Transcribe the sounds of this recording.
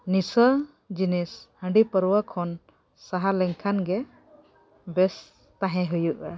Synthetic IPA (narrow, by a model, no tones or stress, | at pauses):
nisə | d͡ʒinishə̃ɳɖipəɾuwakʰɔn | saɦalɛŋkʰanɡɛ | bɛs | t̪ãɦɛ̃ɦujuʔa